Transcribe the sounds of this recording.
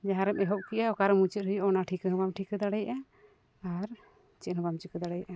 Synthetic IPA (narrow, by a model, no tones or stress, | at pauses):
d͡ʒaɦãɾɛmɛɦɔʔ̚kiʔaɔkaɾɛmut͡ʃət̪̚ɦujʔɔnaʈʰikəɦəbamʈʰikəd̪aɽɛjʔa | aɾ | t͡ʃɛʔ̪̚ɦəbamt͡ʃikəd̪aɽɛjʔa